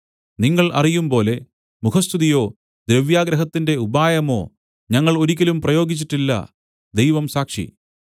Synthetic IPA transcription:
niŋːɐɭɐ̰rijumpo̞ːle̞ | mukʰɐst̪ʰuðijo̞ː | d̪ɾeʋjaːɡɾɐɦɐt̪ːinde̞ubaːjɐmo̞ː | ɲɐŋːɐɭo̞ɾikʲːɐlumprɐjo̞ːɡit͡ɕːiʈːilːɐ̰ | d̪ejʋɐmsaːkʂḭ

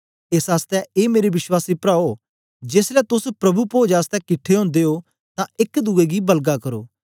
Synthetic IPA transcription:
ɪsaːst̪ɛeːmeːɾiʋɪʃwaːsiːpɾaːoː | d͡ʒɪslɛːt̪ʊspɾɐbupoːd͡ʒaːst̪ɛkɪʈʰːeɦõːnd̪eːɦoː | t̪ãɪkd̪uːeːɡiːbəlɡakəɾoː

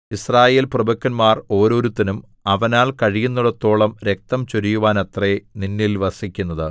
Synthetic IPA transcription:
israːje̞ːlprɐbɐkʲːɐnmaːro̞ːɾo̞ːɾut̪ːinum | ɐʋɐnaːɭkɐɻijunːuɽɐt̪ːo̞ːɭɐmɾe̞k̚t̪ɐmt͡ɕoɾijuʋaːnɐt̪reninːilʋɐsikʲːunːɐðɨ

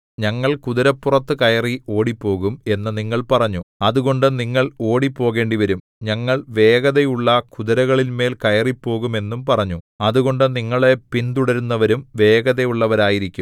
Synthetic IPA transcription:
ɲɐŋːɐɭkuðɐɾɐpːurɐt̪ːɨkɐjɐrio̞ːɽipːo̞ːɣume̞nːɐniŋːɐɭpɐrɐɲːuɐðuɣo̞ɳɖɨniŋːɐɭo̞ːɽipːo̞ːɣe̞ːɳɖiʋɐɾum | ɲɐŋːɐɭʋe̞ːɣɐðejuɭːɐkuðɐɾɐɣɐɭilme̞ːlkɐjɐripːo̞ːɣume̞nːumpɐrɐɲːu | ɐðuɣo̞ɳɖɨniŋːɐɭe̞pint̪uɽɐɾunːɐʋɐɾumʋe̞ːɣɐðejuɭːɐʋɐɾaːjiɾikʲːum

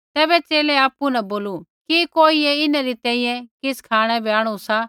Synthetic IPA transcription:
t̪ɛːbɛt͡ʃeːlɛaːpːunɐboːlukikoːieɪnaɾit̪ɛ̃ːĩjɛ̃kɪskʰaːɽ̃ɛbʱiaːɽ̃usa

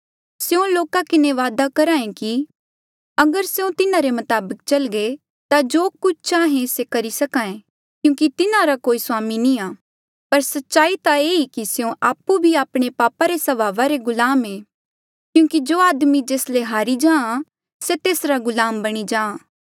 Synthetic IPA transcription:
sjõloːkakɪneʋaːd̪akɐɾaːẽki | ɐɡəɾseõt̪ɪnãɾemɐt̪aːbək̚t͡ʃɐlɡe | t̪ad͡ʒoːkʊt͡ʃʰt͡ʃaːɦẽsekɐɾisɐkaːẽ | kjũːkit̪ɪnãɾakoːisʊaːminĩaː | pɐɾsɐtːʃaːit̪aeikiseõʔaːpːubʱiaːpɽ̃epaːpaɾesɐʋaːʋaɾeɡʊlaːmeː | kjũːkid͡ʒoːaːd̪mid͡ʒeːsleɦaːɾid͡ʒãːã | set̪eːsɾaɡʊlaːmbɐɽ̃id͡ʒãːãː

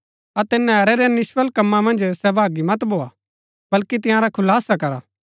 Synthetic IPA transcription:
ɐt̪ɪnːɛ̃ɐɾɛɾɛnɪʃʋəlkɐmːãmɐ̃nd͡ʒsɛbʱaːɡimɐt̪bʱoːa | bɐlkit̪ɪ̃jãɾakʰʊlaːsakɐɾaː

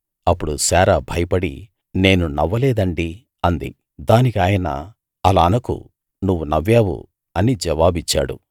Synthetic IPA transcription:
ɐpːuɽusɛːɾabʱɐjɐpɐɽḭ | ne̞ːnunɐʋːɐlɛːd̪ɐɳɖi | ɐnd̪ḭ | d̪aːnikaːjɐnɐ̰ | ɐlaːnɐkṵ | nuʋːunɐʋjaːʋṵ | ɐnid͡ʒɛʋaːbit͡ʃːa̰ːɽṵ

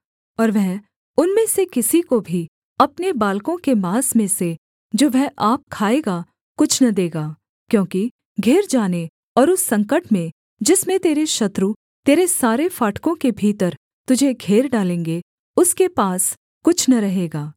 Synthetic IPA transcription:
ɔːɾʋɛɦ | ʊnmẽsekɪsikobʱi | ɐpnebaːlkõkemaːsmẽse | d͡ʒoːʋɛɦʔaːp̚kʰaːeːɡa | kʊt͡ʃʰnɐd̪eːɡaː | kjõːki | ɡʱeːɾd͡ʒaːne | ɔːɾʊsːɐ̃ŋkəʈmẽ | d͡ʒɪsmẽt̪eːɾeʃɐt̪ɾu | t̪eːɾesaːɾefaːʈkõkebʱiːt̪əɾ | t̪ʊd͡ʒʱeɡʱeːɾɖaːlẽːŋɡe | ʊskepaːs | kʊt͡ʃʰnɐɾɐɦeːɡaː

